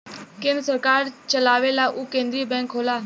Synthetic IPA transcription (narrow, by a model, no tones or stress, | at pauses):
kɪnsəɾkaːɾt͡ʃəlaːʋeːlaːʔuːkẽːnd̪ɾiːbɛ̃ːŋkɦoːlaː